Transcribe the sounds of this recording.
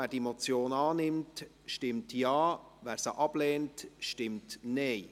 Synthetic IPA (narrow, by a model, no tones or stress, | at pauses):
æːd̥iemot͡sjoːnɑːnɪmt | ʃtɪmtjɑː | ʋæːɾsəʔɑb̥lɛːntʃtɪmtneɪ